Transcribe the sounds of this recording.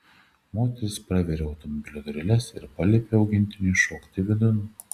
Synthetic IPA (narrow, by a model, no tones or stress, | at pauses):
moːt̪ʲɛɾʲɪspɾɑʋʲeɾʲeːɐʊt̪ɔmɔbʲɪlʲod̪ɔɾʲɪlʲɛsɪ̰ɾpɐlʲepʲeːɒʊɡʲɪnʲt̪ʲɪnʲʊːʃoːkt̪ʲɪʋʲɪd̪ʊn